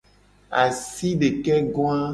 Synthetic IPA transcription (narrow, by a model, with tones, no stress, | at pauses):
a˨si˦ɖe˨kɛ˦ɡɔ̃˦a˦